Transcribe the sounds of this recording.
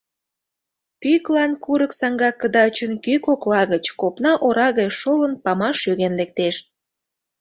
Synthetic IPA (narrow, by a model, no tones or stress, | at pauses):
pyklɑnkuɾəksɑŋɡɑkːəd̪ɑt͡ɕənkykoklɑɣət͡ɕkopnɑʔoɾɑɣɑjʃolənpɑmɑʃyɣenlek̚t̪eʃ̚